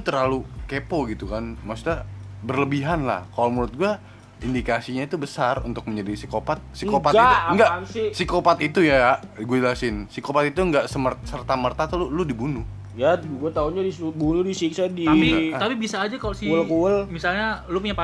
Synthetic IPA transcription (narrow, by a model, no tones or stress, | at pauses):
t̪t̪əralukepoɡit̪ukanmasi̥t̪abərləbiɦanla̰hkalomuɾʊt̪̚ɡua | indikasiɲait̪ubəsarṵnt̪ʊk̚məɲd͡ʒadisikopat̪̚sikopatɡaiuŋɡasisikopat̪it̪ujaaɡuadlasɪnsikopat̪it̪uŋɡaʔsəmərsərt̪amərt̪at̪ululudibunʊh | jaɡuat̪auɲadibunʊdisiksadiait̪apibisaːd͡ʒakalosiəlkuəlmisalɲalupuɲapa